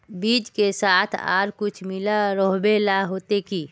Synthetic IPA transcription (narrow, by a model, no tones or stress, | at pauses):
biːd͡ʒkesaːt̪ʰa̰ːɾkʊt͡ʃʰmɪlaɾɔɦbelaɦoːt̪ekiː